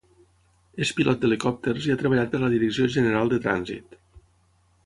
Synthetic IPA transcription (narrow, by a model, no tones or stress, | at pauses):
espilʔɔt̪̚d̪elikɔp̚t̪eɾziat̪ɾəβ̞əʎat̪̚pəɾləðiɾəksioʒənəɾalˠd̪ət̪ɾa̰nzḭt̪